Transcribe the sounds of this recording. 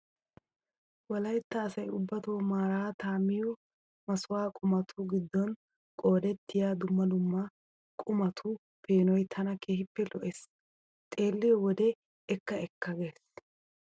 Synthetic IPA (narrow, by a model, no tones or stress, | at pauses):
wɐlɐjt̪ːɐːsɐjʊbːɐt̪omaːɾaːt̪aːmːɪjɔ | mɐsʊwaːkʼʊmɐt̪ʰʊɡɪd̪ːɔn | kʼo̞ːd̪ɛt̪ʰːɪjaːd̪ʊmːɐd̪ʊmːɐ | kʼʊmɐt̪ʰʊ | pʰe̞ːnɔjt̪ʰɐnɐkʰeːhɪpːɛlɔʔes | t̪ʼe̞ːlːɪjɔwɔd̪ɛ | ɛkːɐɛkːɐɡeːs